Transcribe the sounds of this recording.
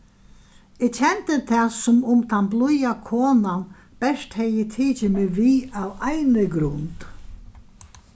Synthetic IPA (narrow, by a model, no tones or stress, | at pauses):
ɪt͡ʃʰɛnt̪ət̪ʰɛːsʊmʊmt̪ʰanblʊjakʰoːnan | b̥ɛʂt̪hɛjɪt̪ʰiːt͡ʃɪmɪʋiːawajnɪɡɾʊnt̪